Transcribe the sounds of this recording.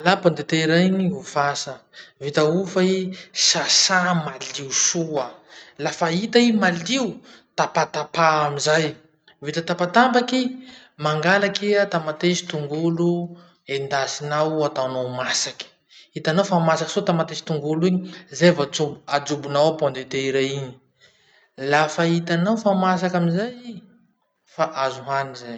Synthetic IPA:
alapand̪et̪eɾaɲiufasəvit̪aufaisasamaliusuəlafait̪aimaliwt̪apat̪apaamizaj | vit̪at̪apat̪ambaki | maŋɡalakiat̪amat̪esi̥t̪uŋɡulu | end̪asinawat̪awnawmasaki̥ | it̪anawfamasaki̥sot̪amat̪esi̥t̪uŋɡuluiɲizevad͡zubad͡zubunawpɔ̃nd̪et̪eiɾaiɲi̥ | lafait̪anawfamas̬akaminzaj | faʔazuɦanizaj

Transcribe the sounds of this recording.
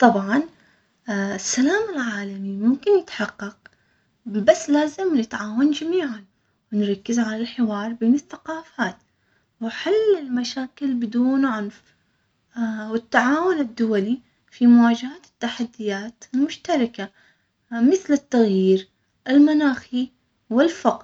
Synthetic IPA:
t̪ˤɑbʕɑn | ɪsːalaːmɪlʕaːlamimʊmkɪnjɪt̪ħɑqːɑq̚ | basːlaːzɪmnɪt̪ʕaːwand͡ʒamiːʕan | wɪnɾˤɑkːɪzʕalalħɪwɑːɾˤbɪmɪθθḁqɑːfaːt̪ | waħalɪlmaʃaːkɪlbɪd̪uːnʕʊnf | wɪt̪ːaʕaːwʊnɪd̪ːʊwali | fimʊwaːd͡ʒahat̪ɪ̥t̪ːaħad̪ːɪjaːt̪ɪlmʊʃt̪ɑɾˤɑka | mɪθlɪt̪ːaɣjiːɾ | ʔɪlmanaːxi | wɪlfɑq

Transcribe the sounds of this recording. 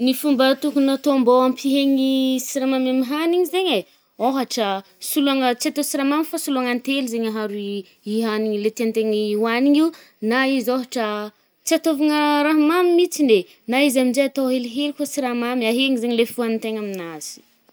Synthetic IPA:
nifumbat̪ukunat̪ombaampʰiɦeɲisiɾamamamiɦaniɲizeɲe | oɦaʈ͡ʂə | suluaŋət͡siat̪ovsiɾamamifasuluaŋant̪elizeɲaɦaɾui | iɦaniɲilet̪eant̪eŋiwaniɲiw | naizoɦaʈ͡ʂə | t͡siat̪ovaŋəɾaɦmamimit͡sine | naizaminzejat̪owɦeliɦelikot͡siɾamamiaɦeŋizeɲlefuanit̪eɲaminaz̥i̥

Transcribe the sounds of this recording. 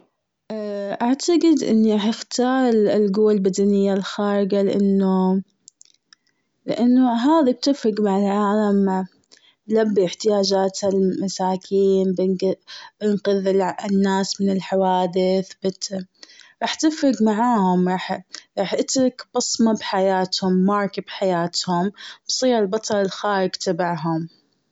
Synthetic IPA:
ʔʔaʕt̪aqɪd̪ʔɪ̰nːiɾˤɑːħɪxt̪ɑːɾˤɪlɡuːwalbad̪anɪjːalxaːɾɪɡalɪʔanːu | lɪ̰ʔanːuɦaːðib̚t̪ɪfɾɑɡmaʕɪlʕaːlam | blabːiɪħt̪ɪjaːd͡ʒaːt̪halmasaːkʰiːnb | b̥ɪnqɨðɪlɪnːaːsmɪnɪlħawaːd̪ɪθbɪt̪ | ɾˤɑːħt̪ɪfɾɑɡmaʕaːhʊmɾˤɑːħɾˤɑːħʔɪt̪ɾˤɑkb̥ɑsˤmabħajaːt̪hʊmːɑːɾˤkib̥ħajaːt̪hʊmb̥sˤiːɾɪlbɑt̪ˤɑɾˤɪlxaːɾɪɡt̪abaʕɦʊm

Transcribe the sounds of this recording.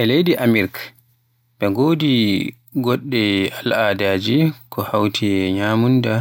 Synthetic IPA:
ʔɛlejdiʔamiɾk | bɛŋɡoːdi | ɡɔɗːɛalaːdaːd͡ʒikɔhawtʰiɲaːmunda

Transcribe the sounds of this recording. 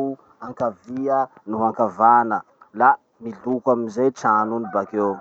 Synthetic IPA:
u | aŋkaviə | nuɦaŋkavanə | la | milukwaminzejʈ͡ʂanunibakew

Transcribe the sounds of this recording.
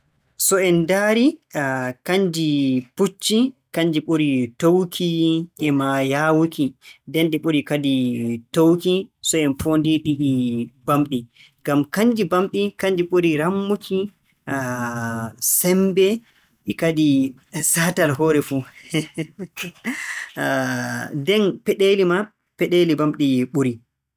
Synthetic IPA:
sɔɛndaɾi | kaɲd͡ʒiput͡ʃːikaɲd͡ʒiɓoɾitowkʰiʔɛmajawukidɛnɗiɓuɾikaditowkisɔɛnfondiɗiɗibamɗi | ɡamkaɲd͡ʒibamɗikaɲd͡ʒiɓuɾiɾamːukʰi | sɛmbɛ | ɗikadi | saːtalɦɔːɾɛfu | dɛnpɛɗelima | pɛɗelibamɗiɓuɾi

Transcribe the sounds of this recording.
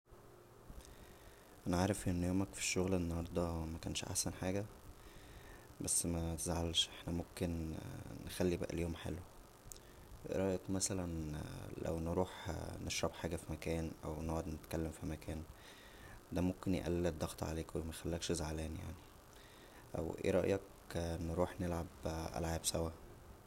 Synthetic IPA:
ʔænæʕaːɾefʔenːjoːmækfi̥ʃːoɣlʔenːɑhɑɾˤd̪ˤɑmækæːnʃʔa̰ħsænħaːɡæ | bæsːmæt̪ezʕalʃʔeħnæmomkennexælːibæ̰ʔæ̰ljoomħḛlwe | weʔɾˤɑːʔjet̪mæsælænlæ̰wnɾuːħneʃɾˤɑbħaːɡæfimækæːnʔæ̰wnoʕod̪net̪kælːemfimækʰæːn | d̪æmomkenjḛʔæ̰lːed̪ːɑɣt̪ʕa̰leːkwemæxælːæːkʃezʕalæːnja̰ʕni | ʔæ̰wʔḛɾˤɑ̰ʔjɑk | nɾuːħnelʕabʔæ̰lʕaːbsæwæ

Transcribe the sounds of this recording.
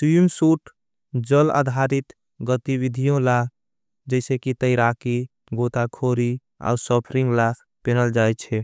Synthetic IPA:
timsuʈ | d͡ʒəla̰d̪ʱaɾit̪ | ɡət̪iwid̪ʱijõla | d͡ʒɛɪsekit̪əɪɾaki | ɡot̪akʰoɾi | a̰ːusɔpʰɾiŋɡlakʰ | penəld͡ʒajt͡ʃʰɛ

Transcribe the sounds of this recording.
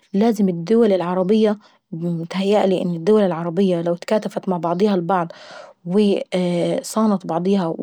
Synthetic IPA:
laːzɪmɪd̪ːʊwalɪlʕɑɾˤɑbɪjːa | ɪt̪hajːaʔliːʔɪnːɪd̪ːʊwalɪlʕɑɾˤɑbɪjːalawt̪kaːt̪afat̪maʕbɑʕd̪ˤiːhɑlbɑʕd̪ˤwɪ | sˤɑːnɑt̪bɑʕd̪ˤiːɦɑ

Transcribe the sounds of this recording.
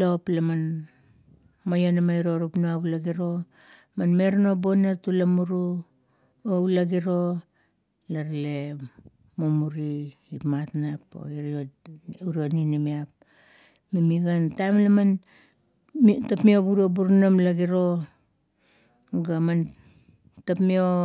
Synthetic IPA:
loplaman | mojonamaiɾo̞ɾupnoaβulaɡiɾo̞ | manme̞ɾnobo̞natulamuɾu | oulaɡiɾo̞ | laɾle | momuɾiipmatnapo̰iɾiouɾioninimiap̚ | mimiɡantajmlaman | tapmioɡuɾobuɾnamlaɡiɾo̞ | ɡaman | tapmio

